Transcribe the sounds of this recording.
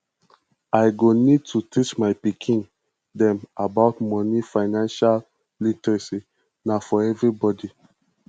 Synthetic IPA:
ajɡonid̚tʰutʰit͡ʃmaɪpikʰĩn | dɛ̃mabaʊtmɔ̃nifaɪnãnʃal | litsi | nafɔɛvɹibɔdi

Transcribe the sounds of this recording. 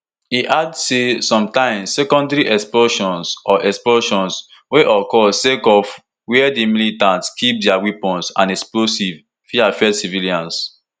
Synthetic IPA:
hiʔadsesɔ̃mtãɪ̃msɛkɔ̃ndɹiʔɛksplɔʃɔ̃nsɔʔɛksplɔʃɔ̃ns | weʔɔkɔsekɔf | wɛɛdimilitãntskʰip̚dɛawipɔ̃nsã̰nɛksplosiv | fiafɛdsiviliãns

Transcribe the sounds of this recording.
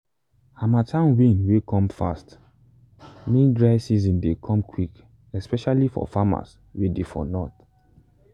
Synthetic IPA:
amatʰãnwĩnwekʰɔ̃mfa̰st | mẽndɹaɪsiz̬ɔ̃ndekʰɔ̃mkʰwik | ɛspɛʃalifɔ̰fama̰s | wedefɔ̰nɔt

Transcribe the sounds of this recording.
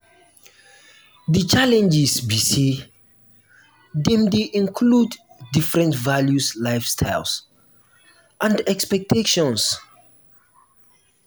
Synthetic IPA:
dət͡ʃalɛ̃nd͡ʒisbisi | dɛ̃mdeʔĩnkʰludː | ifɹɛ̃ntvaljuslaɪfstʰaɪls | ʔãndɛkspɛk̚tʰeʃɔ̃ns

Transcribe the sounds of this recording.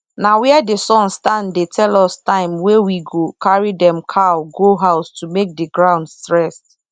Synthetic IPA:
nawɛɛdesɔ̃nstãndetʰɛlɔstãɪ̃mwewiɡokʰaɹidɛ̃mkʰaɡoɦaʊstumek̚dɪɡɹãʊ̃ndstɹɛs

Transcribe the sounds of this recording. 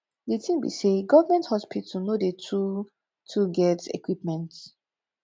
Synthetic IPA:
detʰĩmbḭseɡɔvəmɛ̃nthɔspittunodetʰu | tʰuɡɛtḛkwip̚mɛ̃nt

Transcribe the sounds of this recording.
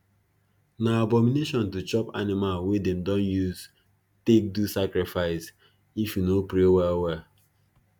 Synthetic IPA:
naabɔmineʃɔ̃ntut͡ʃɔpa̰nɪmalwedemdɔ̃njuz | tek̚dusakɾɪfaɪs | ifjunopɾewɛwɛ

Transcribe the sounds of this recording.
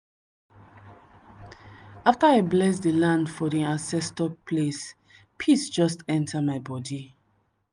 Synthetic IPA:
aftaaɪblɛsdilãndfɔdiãnsɛstɔpʰles | pʰisd͡ʒɔstɛ̃ntʰamaɪbɔdi

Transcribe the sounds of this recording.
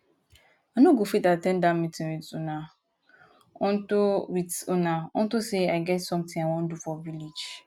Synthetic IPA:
anõɡofitatɛ̃ndãmĩtɪ̃witʊnã | ɔ̃n̩tʊwitʊnãɔ̰n̩tʊseaɪɡɛtsɔ̃mtʰɪ̃ŋawɔ̃n̩dufɔvilid͡ʒ

